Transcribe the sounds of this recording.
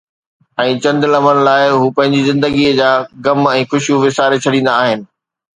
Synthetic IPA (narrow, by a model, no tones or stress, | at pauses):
ɛ̃ːt͡ɕɐ̃nd̪lɐmənɪ̆laːɪɦuːpɐ̃ɦɪ̃ɲd͡ʑizɪ̃nd̪əɡiəd͡ʑaːɡɐmɛ̃ːxʊʃijũʋɪsaːɾet͡ɕʰɐɽĩːn̆d̪aːɦɪnɪ̆